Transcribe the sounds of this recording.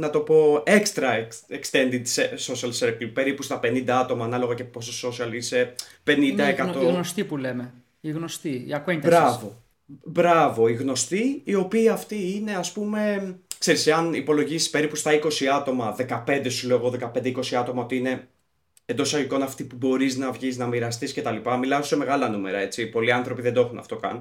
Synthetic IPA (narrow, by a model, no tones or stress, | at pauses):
nɐt̪o̞po̞ekst̪ɾɐekekst̪e̞nd̪id̪seso̞siɐlseɾklipe̞ɾipust̪ɐpe̞nind̪ɐɐt̪o̞mɐːnɐlo̞ɣɐcepososo̞siɐlisepe̞nind̪ɐekɐt̪onost̪ipuleme | iɣnost̪iḭɐkent̪bɾɐvo̞ | bɾɐvo̞iɣno̞st̪iːo̞piːɐft̪iine̞ɐspume̞kse̞ɾiseɐnipo̞lo̞ʝisi̥spe̞ɾipust̪ɐiko̞siɐt̪o̞mɐðe̞kɐpe̞nd̪e̞suloːɣoðe̞kɐpe̞nd̪eiko̞siɐt̪o̞mɐo̞t̪iine̞ | end̪o̞sɐiko̞nɐft̪ipubo̞ɾiznɐvʝiznɐmiɾɐst̪isce̞t̪ɐlipɐmilɐoseme̞ɣɐlɐnume̞ɾɐe̞t͡sipo̞liɐnθɾo̞piðed̪oexunɐ̰ft̪o̞kɐ̰n